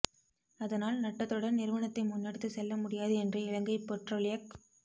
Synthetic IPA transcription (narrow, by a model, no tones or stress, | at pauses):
ɐðɐnaːlnɐʈːɐt̪ːɯɽɐnnɪɾɯʋɐnɐt̪ːɐɪmʊnːɐɽɯt̪ːɯsɛlːɐmʊɽɪjaːðɯɛndrɐɪɻɐŋɡɐɪpɛʈroːlɪjɐk